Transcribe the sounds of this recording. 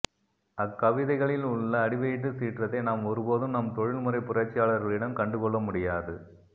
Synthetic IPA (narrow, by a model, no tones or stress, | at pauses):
ɐkːɐʋɪðɐɪɣɐɭɪlʊɭːɐːɽɪʋɐjɪʈ̬ːɯsiːʈrɐt̪ːɐɪnaːmɔɾɯpoːðɯmnɐmt̪ɔɻɪlmɯrɐɪpʊrɐt͡ʃːɪjaːɭɐɾɣɐɭɪɽɐmkɐɳɖɯkɔɭːɐmʊɽɪjaːðɯ